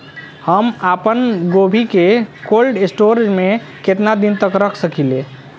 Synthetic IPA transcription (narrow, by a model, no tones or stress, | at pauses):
həmapənɡobʱikekolɖesʈoɾd͡ʒme | ket̪nad̪int̪əkɾəkʰsəkile